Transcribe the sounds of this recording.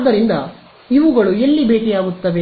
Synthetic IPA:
d̪ɐɾind̪ɐ | iʋuɡɐɭue̞lːibeːkɛjaːɡut̪ːɐʋe̞

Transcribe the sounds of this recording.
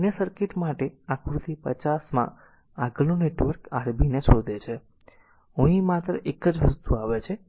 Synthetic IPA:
njəsəɾkeʈmaʈeakʰɾut̪ipət͡ʃasmã̰ | aɡəloneʈʋəɾkaɾbʱinesod̪ʱet͡ʃʰe | õimat̪ɾəʔekəd͡ʒʋəst̪uaʋet͡ʃʰe

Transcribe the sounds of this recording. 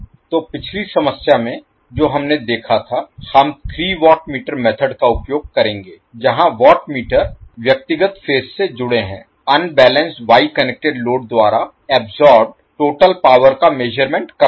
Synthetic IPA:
t̪oːpɪt͡ʃʰlisɐməsjamẽ | d͡ʒoːɦɐmned̪eːkʰat̪ʰahɐmt̪ʰɾiːʋɔːʈmiːʈəɾmɛːt̪ʰəɖkaʊpjoːɡ̚kɐɾẽːŋɡeːd͡ʒɐɦãʋɔːʈmiːʈəɾʋjɐk̚t̪ɪɡət̪feːssed͡ʒʊɽeɦɛ̰̃ː | ɐnbɛːlə̃nsʈʋaːikɐnek̚ʈeɖloːɖ̚d̪waːɾa | ɛːbzɔːɾbɖ | ʈoːʈəlpaːʋəɾkameːʒəɾmẽɳʈkɐ

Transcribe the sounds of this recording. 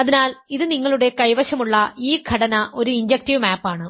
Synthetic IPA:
ɐðinaːliðɨniŋːɐɭuɽe̞kɐjʋɐʂɐmuɭːɐiːɡʱɐɽɐnɐʔo̞ɾuiɲd͡ʑɐk̚tiʋmaːpːaːɳɨ

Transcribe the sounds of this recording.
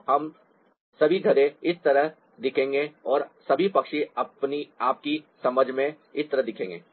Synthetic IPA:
hɐm | sɐbʱiɡʱɐɾẽɪst̪ɐɾəɦ | d̪ɪkʰẽːŋɡeɔːɾsɐbʱipɐkʃiɐpniaːp̚kisɐməd͡ʒʱmẽ | ɪst̪ɐɾəɦd̪ɪkʰẽːŋɡḛː

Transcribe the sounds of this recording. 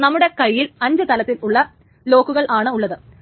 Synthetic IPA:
nɐmːuɽe̞kɐjːilɐɲd͡ʑɨt̪ɐlɐt̪ːiluɭːɐ | lo̞ːkːuɣɐɭaːɳɨuɭːɐðɨ

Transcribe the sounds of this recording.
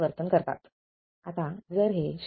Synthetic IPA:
ʋəɾt̪ənkəɾt̪a̰t̪ | at̪ad͡zəɾɦeɕ

